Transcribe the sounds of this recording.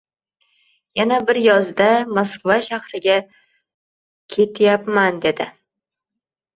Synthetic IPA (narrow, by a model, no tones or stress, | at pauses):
janabɪɾjɒzd̪amoskvaʃahɾɪɡʲa | kʲʰe̞t̪ʰjapmand̪e̞d̪ɪ